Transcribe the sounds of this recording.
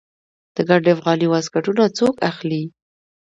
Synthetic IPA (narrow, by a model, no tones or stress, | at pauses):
d̪̥əɡaɖefɣɑniwaskaʈunat͡sokaxli